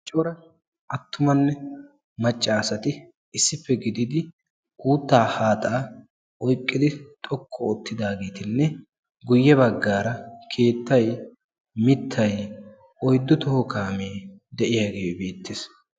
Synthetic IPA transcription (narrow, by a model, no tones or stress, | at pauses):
t͡ʃʼɔɾɐ | ʔɐt̪ːʊmɐnːɛ | mɐt͡ʃʼːaːsɐt̪ɪ | ɪsːɪfːɛɡɪd̪ɪd̪ɪ | uːt̪ːaːhaːt̪ʼaː | ʔɔjkʼːɪd̪ɪt̪ʼɔkʰːɔɔt̪ːɪd̪aːɡeːt̪ɪnːɛ | ɡʊjːɛβɐɡːaːɾɐkʰe̞ːt̪ːɐj | mɪt̪ʰːɐj | ʔɔjd̪ːɔt̪ɔhɔkaːmeː | d̪ɛʔɪjaːɡeːbe̞ːt̪ːes